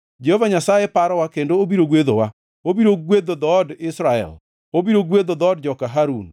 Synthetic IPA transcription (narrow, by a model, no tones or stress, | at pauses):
d͡ʒehovaɲasajepaɾɔwakendoːbiɾoɡwed̪owa | obiɾoɡwed̪od̪ɔːdɪsɾaɛ̰l | obiɾoɡwed̪od̪ɔɔd̚d͡ʒɔkaɦaɾun